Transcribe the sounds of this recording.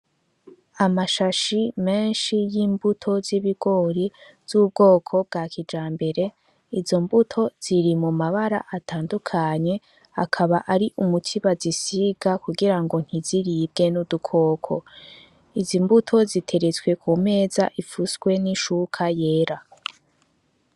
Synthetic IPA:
amaʃaʃime̞ːnʃijiːmbutʰo̞ziβiɡ̥o̞ːɾi | z̥uːb̚ɡo̞ːkʰo̞b̚ɡaːkid͡ʒaːmbe̞ɾe̞ | izo̞mbutʰo̞z̥iɾimumaβaɾa̰ʔatʰaːndukʰaɲe̞ | akʰaβaʔaɾiʔumutʰiβazisiɡ̥akuɡiɾaŋɡo̞n̥hiziɾib̚ɡe̞nudukʰo̞ːkʰo̞̰ | izimbutʰo̞zitʰe̞ɾet͡sɡwe̞kʰume̞ːza̰ʔifusɡwe̞niʃukʰaje̞ːɾa

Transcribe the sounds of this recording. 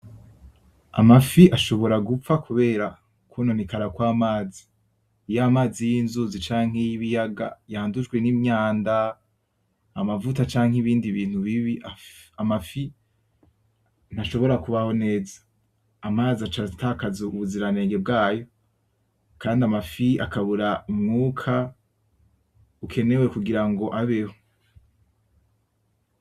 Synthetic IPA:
a̰mafiʔaʃo̞βo̞ɾaɡup͡fakʰuβe̞ːɾa | kunonikaɾakwaːmaːzi | jamaːzijiːnzuzit͡ʃaːŋ̥e̞jiβijaɡa̰jaːndud͡ʒɡwenimɲaːnda | amavutat͡ʃaːŋ̥ɦiβiːndiβiːn̥huβiβiʔaamafi | n̥aʃo̞βo̞ɾakuβaho̞ne̞ːzḁː | maːzat͡ʃatʰakazuuβuziɾane̞ːŋɡe̞b̚ɡaːjo̞ | kaːndiamafiʔa̰kʰaβuɾaumŋuːkʰa | ukʰe̞ne̞we̞kuɡiɾaŋɡo̞ʔaβeho̥

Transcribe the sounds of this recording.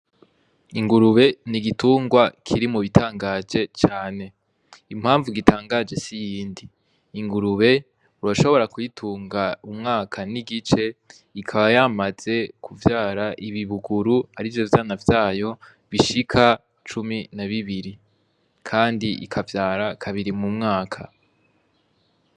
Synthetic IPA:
iŋɡuɾuβe̞niɡituːŋɡwakʰiɾimuβitʰaːŋɡad͡ʒe̞t͡ʃaːne̞ | im̥haːɱvuɡitaːŋɡaːd͡ʒe̞sijiːndiː | ŋɡuɾuβe̞ | uɾaʃo̞βo̞ɾakujitʰuːŋɡaumŋaːkʰaniɡit͡ʃe̞ | ikʰaβajamaz̥e̞kʰuvjaːɾaʔiβiβuɡuɾuaɾivjo̞vjaːnavjaːjo̞ | βiʃikʰa | t͡ʃuminaβiβiɾi | kʰaːndiʔḭkʰavjaːɾakʰaβiɾimumŋaːkʰa

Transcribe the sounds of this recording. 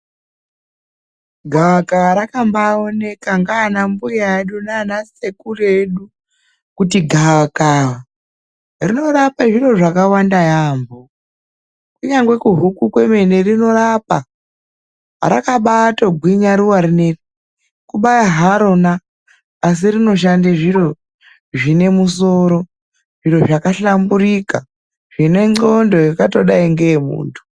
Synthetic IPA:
ɡʱawakawaɾakambaone̞kaŋɡaːnambujaeɗunanase̞kureɗu | kutiɡʱawakaːwa | rino̞ɾapaʐiro̞ʐakawandajaːmbo | kuɲaŋɡwe̞kuɦukukwe̞me̞ne̞rino̞rapa | ɾakaɓatoɡʱwiɲaɾuwaɾine | kuɓajaɦaɾo̞naː | s̬irino̞ʃ̬andaʐiɾo̞ | ʐine̞muso̞ɾo̞ | ʐiro̞ʐakaɬamburika | ʐ̥ine̞ŋ͡ǀo̞ndo̞jokato̞ɗaiŋɡemṵːntʰu̥

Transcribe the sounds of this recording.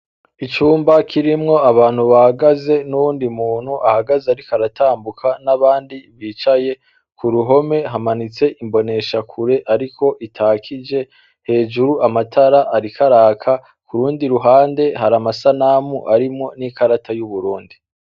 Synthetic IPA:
it͡ʃuːmbakʰiɾimŋo̞aβaːnhuβahaɡaze̞nuwuːndimuːn̥huʔahaɡazeaɾikaɾatʰaːmbukʰanaβaːndiβiːt͡ʃaje̞ | kuɾuɦo̞me̞ɦamanit͡se̞ʔimbo̞ne̞ʃakʰuɾe̞ʔaɾikʰo̞ʔitʰaːkʰid͡ʒe̞ | he̞ːd͡ʒuɾuamatʰaɾaʔaɾikʰaɾaːkʰa | kuɾuːndiɾuɦaːnde̞haɾamasanamuʔaɾimŋo̞nikaɾatʰajuβuɾuːndi

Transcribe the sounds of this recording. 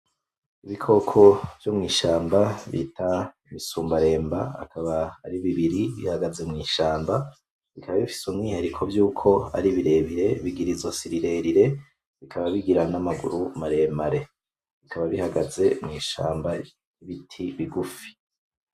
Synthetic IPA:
iβikʰo̞kʰo̞v̥jo̞mŋiːʃaːmbaβḭtʰaimisuːmbaɾe̞ːmbaa̰kʰaβaːɾiβiβiɾiβḭhaɡaze̞mŋiːʃaːmba | βikʰaβaβifi̥sumŋiːheɾikʰo̞vjuːkʰo̞a̰ɾiβiɾe̞ːβiɾe̞βiɡiɾizosiɾiɾe̞ɾiɾe̞ | βikʰaβaβiɡiɾanamaɡṵɾumaɾe̞ːmbaɾe | βikʰaβaβihaɡaze̞mŋiːʃa̰ːmba | iβitʰiβiɡufi̥

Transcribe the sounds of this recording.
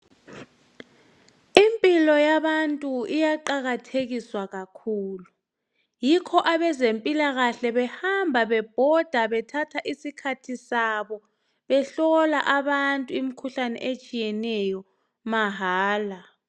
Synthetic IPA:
impʼilɔjaβantʼuijaǃaɣatʰeɣiswaɣakʰuːlu | jikʰɔʔaβɛzempʼilaɣaɬɛβɛhambʱaβɛb̥ʱɔd̥ʱaβɛtʰatʰaʔisikʰatʰisaβɔ | βɛɬɔlaʔaβantʼuimikʰuɬanɛ̰ʔet͡ʃʼijɛnɛjɔ | maɦaːla

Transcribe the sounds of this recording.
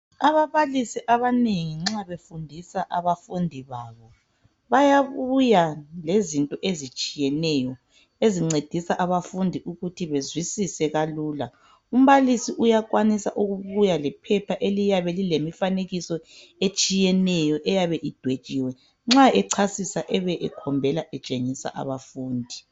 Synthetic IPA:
aβaβalisiʔaβaneŋiŋ͡ǁaβefundʱisaʔaβafundʱiβaːβɔ | βajaβujalezintʼɔʔezit͡ʃʼijɛnɛjɔ | eziŋ͡ǀed̥ʱisaʔaβafundʱiʔuɣutʰiβezwisisɛɣaluːla | um̩βalisiʔujakwanisa̰ʔuɣuβujalɛpʰɛpʰaʔelijaβɛlilemifaneɣisɔ | et͡ʃʼijɛnɛjɔʔɛjaβɛʔid̥ʱwe̥t͡ʃʼiːwɛ | ŋ͡ǁaɛǀʰasisaʔɛβɛʔɛkʰɔmbʱɛlaʔɛt͡ʃʼeŋisa̰ʔa̰βafuːndʱi

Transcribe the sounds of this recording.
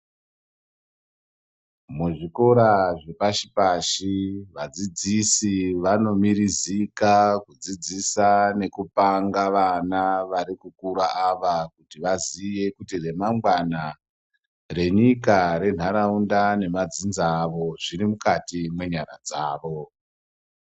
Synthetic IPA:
muʐiko̞ɾaʐe̞paʃi̥paʃiʋad͡zid͡zisiʋano̞mirizikakud͡zid͡zisane̞kupaŋɡaʋanaʋaɾikukuɾaʔaʋakutiʋazije̞kutire̞maŋɡwana | re̞ɲikaɾe̞n̤aɾaundane̞mad͡zinzaːʋo̞ʐirimukatimwe̞ɲaɾa̰d͡zaːʋo̞

